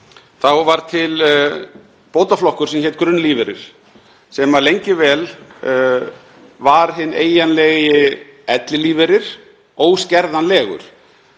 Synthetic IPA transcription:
θawvaɾ̥t̪ʰɪl | poːwt̪aflɔhkʏɾ̥sɛmçɛt̪̚kɾʏnliːvɛɾɪɾ̥ | sɛmalejɲcɪvɛːl | vaɾ̥ɦɪnːeːjanlɛɣɪɛt̪lɪliːvɛɾɪɾ̥ | oːwscɛɾðanlɛːɣʏ̰ɾ̥

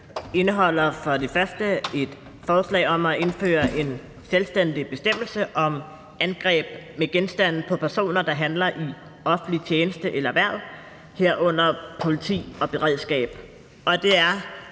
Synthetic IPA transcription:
e̝nəɦɒ̽l̰ɐfɒ̽d̥e̝fɶɐsd̥əe̝d̥ | fɒːslɛ̰ːɒ̽mæʔe̝nfø̰ːɐʔe̝n | selsd̥end̥ib̥e̝sd̥em̰l̩səʔɒ̽m | ænɡ̥ʁɛ̰ːb̥meɡ̥ensd̥æn̰pʰɒ̽pʰæɐso̝̰ːnɐd̥ɑ̈ɦænlɐʔi | ɒ̽fn̩lit͡ɕʰjeːnəsd̥əʔelɐʋæɐ̰ðˠ | heɐ̰ʔɔ̽n̰ɐpʰo̝lit͡sʰḭːɒ̽b̥e̝ʁɛð̰ˠsɡ̥ɛ̰ːb̥ | ɒ̽d̥e̝æɐ

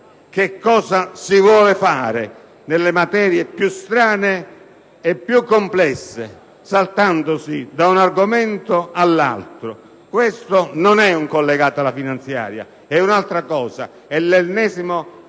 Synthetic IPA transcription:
kekːɔːzasivwɔːlefaːɾɪ | nelːemat̪ɛːɾjepjust̪ɾaːneː | pːjukːomplɛsːe | salt̪and̪osid̪aunarɡomɛnt̪oalːa̰lt̪ɾo | kwest̪ononɛuŋkolːeɡaːt̪alafinant̪sja̰ːɾja̰ | ɛunalt̪ɾakɔːza̰ | ɛlːelnɛːsimo

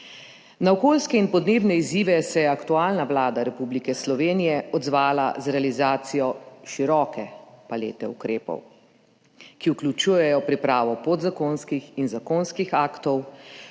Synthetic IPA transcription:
naɔkoːlskɛinpɔd̪neːbnɛiziːʋɛsɛjɛakt̪uaːlnaʋlaːd̪aɾɛpublikɛslɔʋeːnijɛɔd̪zʋaːla̰zɾɛalizaːt̪sijɔʃiɾɔːkɛpalḛːt̪ɛukɾeːpɔ̰w | kiuklʲut͡ʃuːjɛjɔpɾipɾaːʋɔpod̪zakonskixinzakoːnskixaːkt̪ɔw

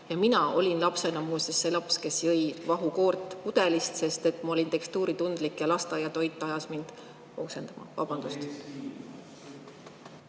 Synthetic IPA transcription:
jɑminɑo̞̰lʲinlɑpse̞nɑmusesːe̞lɑpske̞sjɤjvɑɦukoːrt̪ːˑkud̪̥e̞list̪se̞st̪e̞t̪ːˑmɑo̞lʲint̪e̞kst̪uːɾit̪und̪̥likjɑlɑst̪ɑjɑt̪o̞jt̪ˑːɑjɑsmind̪̥ | ose̞nd̪̥ɑmʔɑ̰vɑ̰b̥ɑnd̪̥ust̪

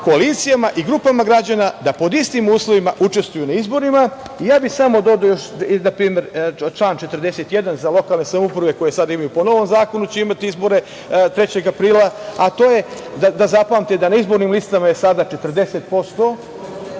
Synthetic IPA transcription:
ko̞alit̪sijamaʔiɡɾuːpamaɡɾad͡ʑanad̪apo̞d̪ist̪imuːslˠo̞ʋimaʔut͡ʃe̞st̪vujunaizbo̞ɾima | ijaːbisamo̞d̪o̞d̪ojoʃnapɾiːme̞ɾt͡ʃlˠaːnt͡ʃe̞t̪rd̪e̞set̪je̞d̪anzalˠo̞kalˠne̞samoupɾaʋe̞ko̞jesad̪aimajupo̞no̞ʋo̞mzaːko̞nut͡ɕeimat̪iizbo̞ɾe̞ | t̪ɾe̞t͡ɕe̞ɡapɾiːlaat̪o̞ːje̞d̪ad̪azapamt̪ed̪anaizbo̞ɾnimlist̪amajesad̪at͡ʃe̞t̪r̩d̪e̞set̪po̞st̪o̞

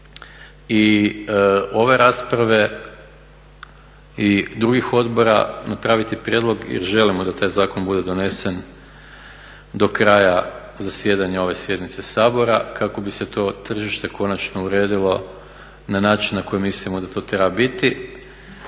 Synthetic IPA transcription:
i | o̞ʋe̞ɾaːspɾaʋe̞ | id̪ɾuɡixo̞d̪bo̞ɾa̰napɾaːʋit̪ipɾjed̪lˠo̞ɡjḛɾʒe̞limo̞d̪at̪aːjzaːko̞nbud̪e̞d̪o̞ne̞se̞n | d̪o̞kɾaːja | zasje̞d̪aɲao̞ʋe̞sje̞d̪nit̪se̞saːbo̞ɾa̰kako̞bise̞t̪o̞ːt̪r̩ʒiʃt̪e̞ko̞nat͡ʃno̞uɾe̞ːd̪ilˠo̞ | nanaːt͡ʃinːako̞jimislimo̞d̪at̪o̞ːt̪ɾebabit̪i

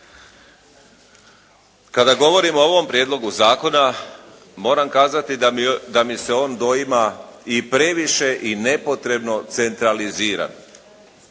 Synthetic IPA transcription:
kad̪aɡo̞ʋo̞ɾimooʋo̞mpɾjed̪lˠo̞ɡuzaːko̞na | mo̞ːɾamkaːzat̪id̪amise̞o̞ːnd̪o̞imaipɾe̞ʋiʃe̞ʔine̞po̞t̪ɾe̞bno̞t̪se̞nt̪ɾaliziːɾa̰n

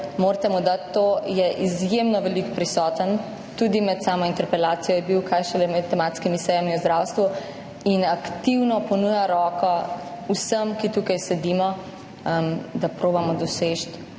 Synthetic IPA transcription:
moɾt̪ɛmud̪at̪ːoːjɛʔizjemnɔʋɛlikpɾisɔːt̪ən | t̪ud̪imɛt̪saːmɔint̪ɛɾpɛlaːt̪sijɔjɛbiwkʰaːjʃɛlɛmɛt̪ːɛmaːt̪skimisɛjamiuzd̪ɾawst̪ʋu | inakt̪iwnɔpɔnujaɾɔːkɔ | usəmkit̪ukajsɛd̪imɔ | md̪apɾoːbamɔd̪ɔseʃt̪

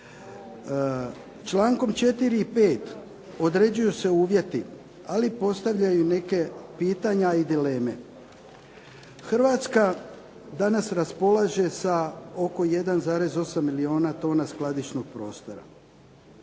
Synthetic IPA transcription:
t͡ʃlaːŋko̞mt͡ʃe̞t̪iɾiːpe̞ːt̪ | o̞d̪ɾe̞d͡ʑujuse̞uːʋje̞t̪i | alipo̞st̪aʋʎajune̞ke̞piːt̪aɲaid̪ile̞ːme̞̰ | xr̩ʋaːt̪ska | d̪anasɾaspo̞lˠaʒe̞sao̞ko̞je̞d̪anzaːɾe̞zo̞samːilio̞ːnat̪o̞ːnasklˠad̪iʃno̞ɡ̥̚pɾo̞ːst̪o̞ɾa̰

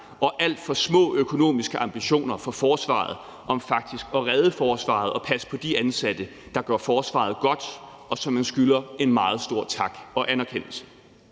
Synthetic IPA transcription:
ɒ̽ʔæl̰d̥fɒ̽smɔ̰̽ːøkʰo̝no̝̰ːmisɡ̥əʔɑ̈mb̥iɕo̝̰ːnɐfɒ̽fɒːsʋɑ̰̈ð̞̩ˠ | ʔɒ̽mfɑ̈ɡ̥̚d̥isɡ̥ɒ̽ʁɛð̞ˠəfɒːsʋɑ̰̈ð̞̩ˠɒ̽pʰæspʰɒ̽d̥iænsæd̥ə | d̥ɑ̈ɡ̥ɶɐfɒːsʋɑ̰̈ð̞̩ˠɡ̥ɒ̽d̥ | ɒ̽sɒ̽mːænsɡ̥ylɐe̝nmɑ̈ːð̞̩ˠsd̥o̝ɐ̰t͡sʰɑ̈ɡ̥ɒ̽ʔænæɐkʰen̰l̩sə̥

